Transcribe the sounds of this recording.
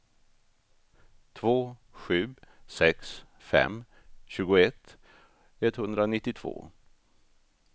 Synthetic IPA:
t̪ʰvoːɧʉ̟ːsɛks | fɛ̰m | ɕʉ̟ːɡʊɛt̪ | ɛt̪ːhɵnd̪ɾanɪt̪ːɪt̪ʰv̥o̰ː

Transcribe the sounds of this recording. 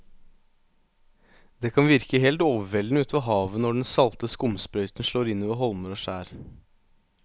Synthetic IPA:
d̪eːkʰɑnʋɪɾkəɦeːlt̪oːʋəʋɛlnʉːt̪ʋɑɦɑːʋənɔɖɛnsɑlt̪əskʊmspɾœʏt̪nʂɭoːɾɪnːiʋəɦɔlməɾoːʂæːɾ

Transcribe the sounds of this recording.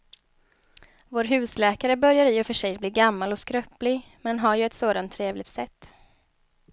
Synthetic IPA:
voːɾɦʉ̟ːslɛːkaɾəbœɾjaɾɪːɔfœʂɛjbliːɡamːalɔskɾœplɪɡ | mɛnɦaɾjɵɛt̪soːd̪ant̪ʰːɾeːvlɪɡ̚t̪sɛt̪ː

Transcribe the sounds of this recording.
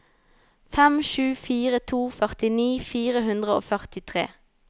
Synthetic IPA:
fɛmʃʉːfiːʁət̪ʰuːfœʁt̪ɪniːfiːʁəɦʉnd̪ʁəo̰ːfœʁt̪ɪt̪ʰʁḛː

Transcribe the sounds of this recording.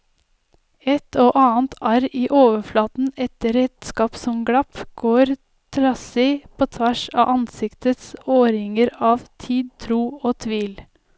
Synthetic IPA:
ɛt̪oːʔɑːnt̪ʰɑɾiːʔoːʋəflɑːt̪n̩ɛt̪əɾɛt̪skɑːpsɔmɡɽɑpɡ̥oːɾ | t̪ʰɾɑsiːpʰoːt̪ʰʋæʃɑ̰ːʔɑnsɪkt̪ət̪soːɾɪŋəɾɑːʋt̪ʰiːd̪̚t̪ʰɾuːoːt̪ʰʋiːl

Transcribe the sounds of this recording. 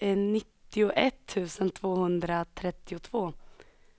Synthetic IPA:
ɛnɪt̪ːɪʊʔɛt̪ʰːʉ̟ːsənt̪ʰvoːhɵnd̪ɾat̪ʰɾɛt̪ːɪʊt̪ʰvoː

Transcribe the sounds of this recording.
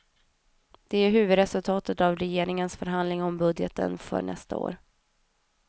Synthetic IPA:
d̪̥ɛæɾɦʉ̟ːvɵd̪ɾɛsɵlt̪ʰɑːt̪ət̪avɾɛjeːɾɪŋənsfœɾɦand̪lɪŋɔmbɵd̪jət̪ʰə̰nfœ̰ɳʔɛ̰st̪a̰o̰ːɾ

